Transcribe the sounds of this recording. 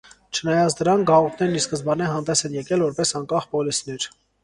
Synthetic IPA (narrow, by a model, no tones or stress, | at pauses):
t͡ʃʰənɑjɑt͡sʰd̪əɾɑŋkɡɑʁɔp̪ʰnɛɾniskəzbɑnɛɦɑnd̪ɛsɛnjɛkɛlvɔɾpɛsɑŋkɑχpɔlisnɛɾ